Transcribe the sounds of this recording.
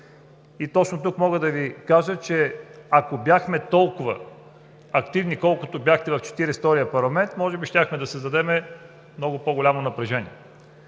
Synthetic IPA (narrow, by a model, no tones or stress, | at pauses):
it̪ɔt͡ʃnot̪ukmɔɡəd̪ɐvikaʒət͡ʃɛɐkobʲjaxmɛt̪ɔlˠkʊvə | ɐkt̪ivnikɔlˠkot̪obʲjaxt̪ɛvɐft͡ʃɛ̥t̪iɾɛst̪ɔɾijəpɐɾlˠɐmɛnt̪mɔʒɛbiʃt̪ʲaxmɛd̪ɐsəzd̪ɐd̪ɛmɛ | mnɔɡʊpoɡʊlʲamonɐpɾɛʒɛniɛ